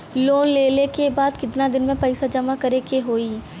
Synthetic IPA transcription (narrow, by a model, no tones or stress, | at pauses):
loːnleːlekebaːd̪kɪt̪nad̪ɪnmẽpɐɪsad͡ʒɐmakɐɾekeɦoːiː